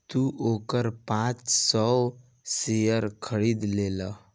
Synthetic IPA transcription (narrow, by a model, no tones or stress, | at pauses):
t̪uʔokəɾpãt͡ʃsɔw | sejəɾkʰəɽid̪lelə